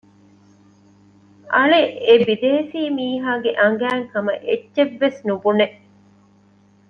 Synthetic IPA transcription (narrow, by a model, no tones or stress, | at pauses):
ɐleʔebid̪eːsiːmiːɦaːɡeʔɐŋ̆ɡæːŋkɐmɐʔetːʃeʋːesnubune